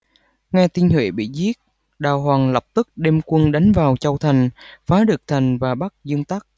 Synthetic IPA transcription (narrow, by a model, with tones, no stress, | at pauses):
ŋɛ˧t̪i˧nhwḛ˧˩ɓḭ˧˨zi˦˥ət̚ | ɗaː˨˩wɦwaː˨˩ŋlə˨˩p̚t̪ɨ˦˥k̚ɗe˧mkwə˧nɗa˨˦jŋvaː˨˩wt͡ɕə˧˩wt̪ʰa˨˩jŋ̟faː˨˦ɗɨ˨˩ək̚t̪ʰa˨˩jŋ̟vaː˨˩ɓa˦˥k̚zɨ˧əŋt̪a˦˥k̚